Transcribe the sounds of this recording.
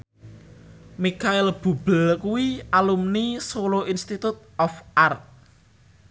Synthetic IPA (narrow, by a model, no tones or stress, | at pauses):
mikaɪlb̥ṳb̥əlkuwiʔalumnisoloʔinst̪it̪ut̪̚ɔfʔart̪̚